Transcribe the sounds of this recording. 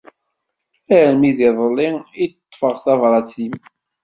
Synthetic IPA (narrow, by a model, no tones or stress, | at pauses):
æɾmiðiðˤəlːɪj̪t̪ˤːfəʁθævɾˤɑt͡sim